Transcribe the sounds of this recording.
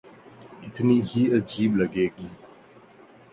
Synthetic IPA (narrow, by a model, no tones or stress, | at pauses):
ɪt̪ʰnihiəd͡ʒiːbləɡeːɡi